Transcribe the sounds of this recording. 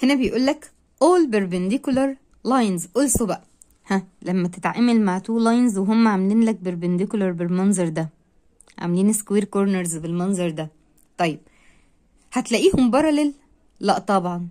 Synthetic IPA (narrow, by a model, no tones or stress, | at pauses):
henæbejʔuːlːæk | ʔoːlbeɾbend̪ikulɑɾˤ | lɑjnzʔolsobæʔæ | hælæmːæt̪et̪ʕamælmaʕt̪uːlːɑjnzweɦomːæʕameliːnlæk̚beɾbend̪ikulɑɾˤbelmɑnzˤɑɾˤd̪æ | ʕa̰mliːnskwiːɾkoɾneɾzbelmɑnzˤɑɾˤd̪æ | t̪ˤɑjːeb̥̚ | hæt̪læʔiːhombɑɾˤɑlelː | æʔt̪ˤɑbʕɑn